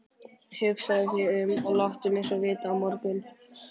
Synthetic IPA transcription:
hʏksaðʏθjɛʏmɔɣlaht̪ʏmejnsɔvɪːt̪aːwmɔɾkʏn

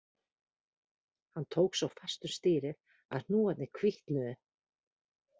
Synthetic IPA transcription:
hanːt̪ʰoːwksawfɛ̥st̪ʏmst̪ɪːɾɪ | a̰ðnuːat̪nɪkʰviht̪nʏðʏ

